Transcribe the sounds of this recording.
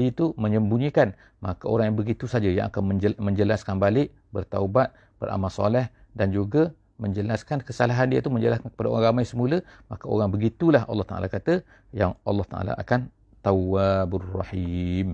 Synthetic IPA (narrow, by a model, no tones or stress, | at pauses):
it̪uməɲəmbuɲikan | makao̰ɾaŋjaŋbəɡit̪usad͡ʒaja̰ŋa̰kanəmə̃ɲd͡ʒəlaskanbalɪʔ | bərt̪a̰ubat̪̚ | b̥ə̰rʔa̰malsɑ̰lɛh | dand͡ʒuɡa | mə̃ɲd͡ʒəlaskankəsalaɦandiət̪uməɲd͡ʒəlaskankə̥padao̰ɾaŋɾamajsəmuləma̰kao̰ɾaŋbəɡit̪ulaɦɑ̰lːɑht̪aʔa̰lakat̪ə | jaŋɑlːɑht̪aʔa̰la̰ʔakan | t̪awabrɑ̰ħim